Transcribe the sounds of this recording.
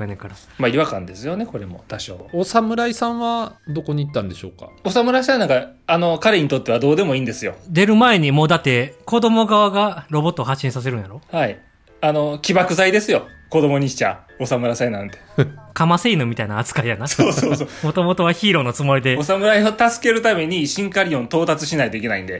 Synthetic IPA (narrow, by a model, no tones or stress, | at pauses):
enekaɾa | maiβakã̰nd̪e̞sɨjo̞ne̞ko̞ɾe̞mo̞̰t̪aɕo̰ːosamɯ̟ɾaisãβad̪o̞ko̞ɲ̟iit̪ːãnd̪e̞ɕo̞̰ːka̰osamɯ̟ɾaisãnakaano̞kaɾeɲ̟it̪o̞t̪ːe̞βad̪o̞ːd̪e̞mo̞ĩːnd̪e̞sɨjo̞d̪e̞ɾɯ̟mae̞ɲ̟imo̞ːd̪at̪ːe̞ko̞d̪o̞mo̞ɡaβaɡaɾo̞bo̞t̪ːoːɦaɕːĩsas̬e̞ɾɯ̟njaɾo̞hai | ano̞kʲibakɯ̟zaid̪e̞sɨjo̞ko̞d̪o̞mo̞ɲ̟iɕi̥t͡ɕa̰ | o̞samɯ̟ɾasaenãnt̪ekamaseinɯmʲit̪ainaːt͡sɨ̥kaijanasoːsoːsomo̞t̪o̞mo̞t̪o̞β̞açiːɾo̞not͡sɨmoɾid̪e̞osamɯ̟ɾaiot̪asɨ̥ke̞ɾɯ̟t̪ame̞ɲ̟iɕĩŋkaɾʲijõ̞nt̪o̞ːt̪at͡sɨɕinait̪o̞ik̬ʲe̞naḭ̃nd̪e̞